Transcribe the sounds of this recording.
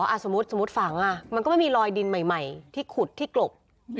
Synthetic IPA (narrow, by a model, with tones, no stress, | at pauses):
ʔa˧˩so˩˦m˦˥t̪̚so˩˦mu˦˥t̪̚fa˨˩˦ŋʔa˧˩ma˧kɔ˥˩m˥˩jmiː˧ɾɔː˧jdi˧nma˨˩jma˨˩jt̪ʰiː˥˩kʰu˨˩t̪ʰːiː˥˩klo˨˩p̚